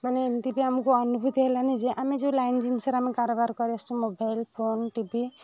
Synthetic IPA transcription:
manent̪ibiɦamukoʌnubʱut̪ɦelanid͡ʒiʔamid͡ʒulajnd͡ʒinsʌɾamikaɾobaɾkʌɾiestomobajlpʰonʈibi

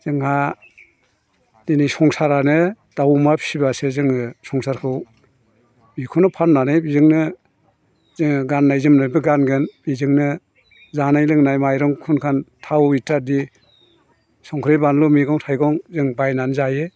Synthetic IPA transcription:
z̥ɯŋha | d̥inisɔŋsaɾanɯ | d̥awmapʰibasezɯŋɯsɔŋsaɾkʰɯw | bikʰɯnɯpʰanːanɯjbizɯŋnɯ | zɯŋɡanːajzɯmnajbɯɡanɡɯnb̥izɯŋnɯ | zanajlɯŋnajmajɾɔŋkʰunkʰantʰawitadi | sɔŋkʰɾejbanlɔmiɡɔŋtʰajɡɔŋzɯŋbajnanzaje

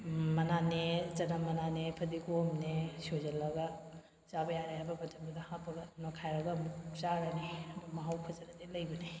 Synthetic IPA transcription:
mɐnanezɐnamɐnanepʰɐdikomnesozɐlɐɡa | t͡ʃabɐjaɾajabɐbɐtʰɐmdɐdɐhãpʰːɐɡɐnɔkʰajɾɐɡɐmukt͡ʃaɾanimɐɦawpʰɐzɐnɐdelɐjbɐni

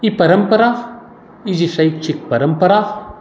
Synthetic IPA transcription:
ipɐɾɐmpɐɾa | id͡ʒisɐjt͡ʃʰik̚pɐɾɐmpɐɾaː

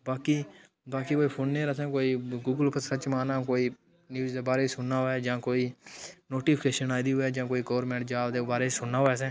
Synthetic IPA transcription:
baːkiː | baːkiːkoːiːpʰoːnːeːɾəsɛ̃ːkoːiːɡuːɡəlpʰəət͡ʃmaːnãːkoːiː | njuːzd̪eːbaːɾeːisʊnːaːɦoɛːd͡ʒãːkoːiːnoːʈiːpʰkeːʃənaːd̪iːɦʊɛːd͡ʒãːkoːiːkɔːɾmɛ̃ːɳʈd͡ʒaːld̪eːbaːɾeːisʊnːaːɦoɛːsɛ̃ː

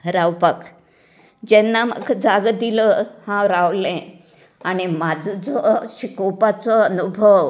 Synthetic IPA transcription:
ɾawpək | d͡ʑɛnːamə̰ɡd͡zaɡd̪iləhãɾawlɛ̃ | añimad͡zd͡zəɕikopat͡sɔənubʱəw

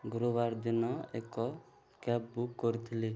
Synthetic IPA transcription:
ɡɾobaɾd̪inɔḛkɔ | kɛpbukːɔɾit̪ʰili

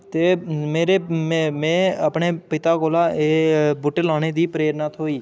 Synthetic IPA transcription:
t̪eːmeːɾeːmɛ̃ːəpɳeːpɪt̪aːkoːlaːeːbʊʈlãːneːd̪iːpɾeːɾnaːt̪ʰoːiː

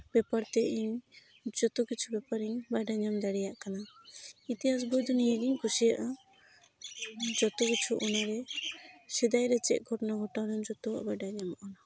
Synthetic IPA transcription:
bɛpaɾt̪ɛʔiɲ | d͡ʒɔt̪ɔkit͡ʃʰubɛpaɾiɲbajɖaɲamd̪aɽɛjaʔkanait̪iɦas̬bɔjd̪ɔnijeɡiŋkusijaʔa | d͡ʒɔt̪ɔkit͡ʃʰuʔɔnaɾɛ | sɛd̪ajɾɛt͡ʃɛ̰ʔ̪̚ɡʱɔʈɔnaɡʱɔʈaɾɔnd͡ʒɔt̪ɔa̰bajɖaɲamʔɔna

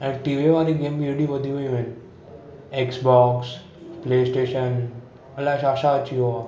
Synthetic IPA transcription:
ɛ̃ʈiːʋeʋaːɾiɡeːmbieɽiʋəd̪ʱiɦoiʋẽn | eksbɔːks | pleːsʈeːʃən | əlaʃaʃaət͡ʃiɦoa

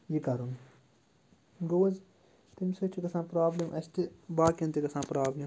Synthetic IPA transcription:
jikɐɾun | ɡoːz | t̪imʲsot͡ʃʰikɐsãːpɾaːblʲimʔɐst̪ibaːkʲɐnt̪ikɐsãːpɾaːblʲim

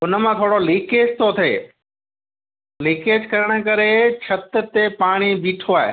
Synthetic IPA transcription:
ʊnə̆mãt̪ʰoːɽoliːkeːd͡ʑt̪ʰot̪ʰḛː | liːkeːd͡ʑkɐɾəɽ̃ə̆kɐɾet͡ɕʰɐt̪̆t̪epaːɽ̃ibiːʈʰoaːɦḛ

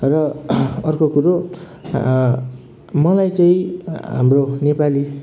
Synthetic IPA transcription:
rʌʌrkokuɾo | mʌlajt͡saĩɦa̰mronepali

